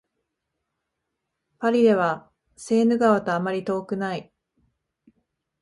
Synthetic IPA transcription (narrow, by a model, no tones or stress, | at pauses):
paɾʲid̪e̞βa | se̞ːnɯ̟ɡaβat̪o̞amaɾʲit̪o̞ːkɯ̟nai